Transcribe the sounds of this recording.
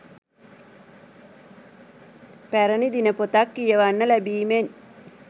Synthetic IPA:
pæɾənid̪inəpot̪akːijəʋanːəlæbiːmen

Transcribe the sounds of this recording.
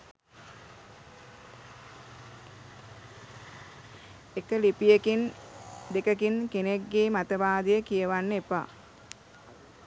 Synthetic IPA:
ekəlipijekind̪ekəkinkeneɡːeːmat̪əʋaːd̪əjəkijəʋanːəepa̰

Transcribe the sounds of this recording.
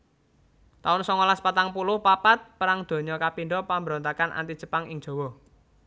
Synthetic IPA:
t̪aʊnsɔŋɔlaspat̪aŋpulʊhpapat̪̚pəɾaŋd̪̥o̤ɲɔkapiɳɖɔpambəɾɔnt̪akanʔa̰nt̪id̥ʒ̥ə̤paŋɪŋd̥ʒ̥ɔ̤wɔ

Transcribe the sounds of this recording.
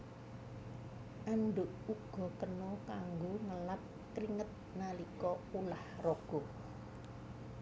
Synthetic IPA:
ʔanɖʊʔuɡ̥ɔ̤kənɔkaŋɡoŋəlap̚ | kɾiŋət̪̚nalikɔulahrɔɡ̥ɔ

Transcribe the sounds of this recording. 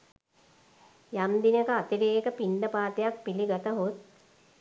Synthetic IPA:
jamd̪inəkəat̪iɾeːkəpiɳɖəpaːt̪ejak̚piliɡat̪əɦot̪̚

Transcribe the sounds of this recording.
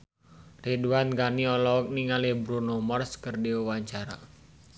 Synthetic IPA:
riduanɡaniɔlɔɔk̚niŋalibɾunomarskərdiuwaɲt͡ʃaɾa̰

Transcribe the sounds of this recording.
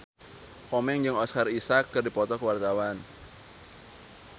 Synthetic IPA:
kɔmɛŋd͡ʒɨŋɔskarisakːɨrdipɔt̪ɔkəwart̪awan

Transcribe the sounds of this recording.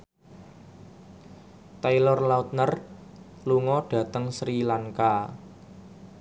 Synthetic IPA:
t̪ajlɔrlaut̪̚nər | luŋɔɖ̥ä̤t̪əŋsɾilaŋka

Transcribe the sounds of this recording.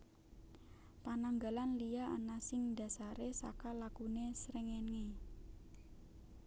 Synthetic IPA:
panaŋɡalanlijaanasɪŋda̤saɾesa̰kalakunesɾɛŋɛnŋe

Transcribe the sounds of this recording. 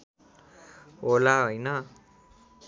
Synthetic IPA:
ɦolaɦojnʌ

